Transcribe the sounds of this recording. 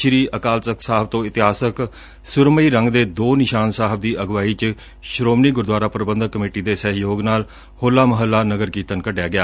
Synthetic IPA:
ʃɾiːʔəkaːltəksaːɦəb̚t̪õːɪt̪ɪɦaːsək | sʊɾməiːɾəŋɡd̪eːd̪oːnɪʃaːnsaːɦəbd̪iːʔəɡʋaːiːt͡ʃ | ʃɾoːmniːɡʊɾd̪ʋaːɾaːpɾəbə̃nd̪əkːəmeːʈiːd̪eːsəɦjoːɡnaːl | hoːlːaːməɦəlːaːnəɡəɾkiːt̪ənkəɖejaːɡɪjaː

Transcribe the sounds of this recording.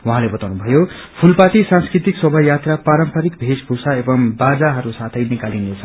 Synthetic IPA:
wãɦãlebʌt̪awnubʱʌjo | pʰulpat̪isãnskrit̪iksʌbʱʌjat̪rapaɾʌmpʰʌɾikbʱesbʱusaebʌmbad͡zaɦʌɾusat̪ʰʌjnikalinlet͡sʰʌ

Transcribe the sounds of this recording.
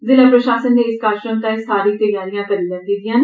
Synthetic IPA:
zɪlaːpɾəʃaːsənːeɪskaːɾʃɾəmt̪aːɪst̪ʰaːɾiːt̪əjaːɾijãːkəɾiːlənd̪iːd̪ɪjãːn

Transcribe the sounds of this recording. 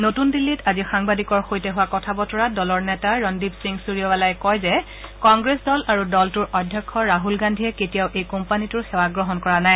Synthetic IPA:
notundilːitazixaŋbadikɔɹxojtɛɦʊwakɔtʰabɔtʰɔɹadɔlɔɹnɛtaɹɔndibsiŋsuɹijɔbalajkɔjzɛ | kɔŋɡɹesdɔlaɹudɔltuɹɔdʱjɔkʰːɔɹaɦulɡandʱiɛketijaʊʔejkɔmpanitʊɹxewaɡɹɔɦɔnkɔɹanaj

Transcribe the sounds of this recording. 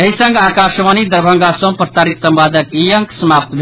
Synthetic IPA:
ɐɦisə̃ŋɡaːkaːʃʋaːnid̪əɾbʱə̃ŋɡasõmpɾt̪aːɾit̪səmpaːd̪əkijəŋksəmaːp̚t̪bʱ

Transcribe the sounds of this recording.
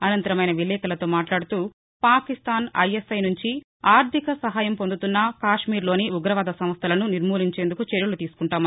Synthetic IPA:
ɐnɐnt̪ɐɾɐmɐjnɐʋilɛːkɐlɐt̪o̞ːmaːʈlaːɽut̪uː | paːkist̪aːnɐ̰jesɐjnuɲt͡ʃi | aːɾt̪ikɐsɐɦaːjɐmpond̪ut̪unːɐkaːʂmiːɾlo̞ːniuɡɾɐʋaːd̪ɐsɐm̃st̪ʰɐlɐnuniɾmuːliɲt͡ʃe̞ːnd̪ukut͡ʃeɾjulut̪iːsu̥kuɳʈaːmɐ

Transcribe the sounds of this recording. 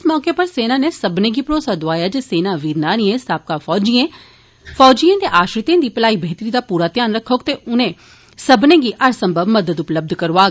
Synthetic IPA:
ɪsmɔːkeːpəɾseːnaːneːsəbnẽːɡiːpɾoːsaːd̪ʊaːjaːd͡ʒeːseːnãːʋiːɾnaːɽ̃iẽːsaːp̚kaːfɔːd͡ʒiẽː | fɔːd͡ʒijẽːd̪eːʔaːʃɾɪt̪ẽːd̪iːpəlaːiːbʱeːt̪əɾiːd̪aːpuːɾaːt̪jaːnɾəkʰːoːkt̪eːʔʊnẽː | səbnẽːɡiːʔəɾsə̃mbʱəbməd̪əd̪ʊpləb̚d̪ʱkəɾʋaː

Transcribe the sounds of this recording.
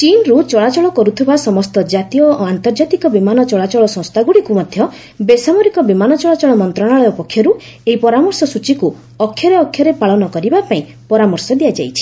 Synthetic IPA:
t͡ʃinɾut͡ʃɔɭat͡ʃɔɭɔkɔɾut̪ʰibasɔmɔst̪ɔd͡ʒat̪ijɔant̪ɔɾd͡ʒat̪ikɔbimanɔt͡ʃɔɭat͡ʃɔɭɔsɔ̃st̪ʰaɡuɽikumɔd̪ʱjɔ | besamɔɾikɔbimanɔt͡ʃɔɭat͡ʃɔɭɔmɔnt̪ɾɔɽ̃aɭɔjɔpɔkʰːjɔɾu | eipɔɾamɔɾsɔsut͡ʃiku | ɔkʰːjɔɾeɔkʰːjɔɾepaɭɔnɔkɔɾibapaĩ | pɔɾamɔɾsɔd̪ijad͡ʒa̰jt͡ʃʰi̥

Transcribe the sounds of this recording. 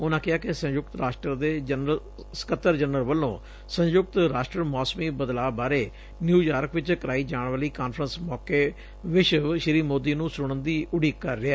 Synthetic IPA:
ʊnãːkɪɦaːkɪsə̃jʊɡt̪ɾaːʃʈɾəɾd̪eːd͡ʒənə | sə̥kət̪ːəɾd͡ʒənəlʋəlːõː | sə̃njʊɡ̚t̪ɾaːʃʈɾəɾmɔːsmiːbəd̪laːbaːɾeː | njuːjaːɾkʋɪt͡ʃkəɾaːiːd͡ʒaːɳʋəːliːkaːnfʰɾənsmɔːkeː | ʋɪt͡ʃʃɾiːmoːd̪iːnũːsʊɽənd̪iːʔʊɽiːkːəɾːɪɛː

